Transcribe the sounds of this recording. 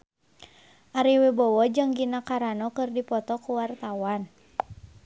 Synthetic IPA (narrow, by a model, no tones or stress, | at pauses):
ʔaɾiwebɔwɔd͡ʒɨŋɡinakaɾanɔkɨrdipɔt̪ɔkuwart̪awan